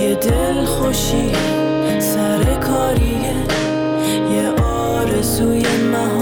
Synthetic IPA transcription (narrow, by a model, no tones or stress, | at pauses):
ed̪elxoʃi | sæɾekʰɔːɾi | e | jeʔɔː | ɾezuːjemæɦ